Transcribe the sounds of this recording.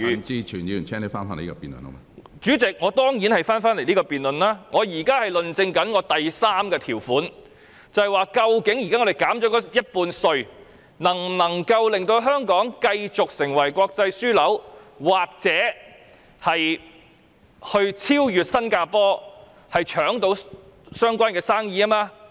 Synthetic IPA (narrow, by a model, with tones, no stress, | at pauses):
t͡siː˥t͡ʃʰyː˨˩njiː˨˧˨t͡ʃʰɛː˥ŋt̪e˨˧wfaː˥nfaː˥ne˨˩iː˥ɔː˧piː˨˩nlə̰˨nɐ̰˥a˧ | t͡ʃyː˨˥t͡sɪ˨k̚ŋɔː˨˧t̪ɔː˥ŋjiː˨˥nhɐ˨jfaː˥nfaː˥nle˨˩jniː˥kɔː˧piː˨nlɵ˨nlaː˥ŋɔː˨˧jiː˨˩kaː˥hɐ˨jlɵ˨nt͡sɪ˧ŋkɐ˨˥nŋɔː˨˧t̪ɐ˨jsaː˥mkɛː˧t̪ʰiː˨˩wfuː˨˥n | t͡sɐ˨hjwaː˨˩kɐ˧wkɪ˨˥ŋjiː˨˩kaː˥ŋɔ˨˧de˨jkaː˨˥mt͡ʃɔː˨˥kɔː˨˥jɐ˥t̚puː˧nsɵ˧ɥ | nɐ˨˩ŋnɐ˨˩ŋkɐ˧wlɪ˨ŋt̪o˧wɦœː˥ŋkɔː˨˥ŋkɐ˧jt͡sʊ˨k̚sɪ˨˩ŋwɐ˨˩jkʷɔː˧k̚t͡sɐ˧jsyː˥lɐ˨˥wwaː˨k̚t͡sɛː˨˥ | hɐ˨j | hɵ˧ɥt͡sʰiː˥wjyː˨t̚sɐ˥nkaː˧pɔː˥ | hɐ˨jt͡ʃʰœː˨˥ŋt̪o˧wsœː˥ŋkʷaː˥nkɛː˧saː˥ŋjiː˧a˥maː˧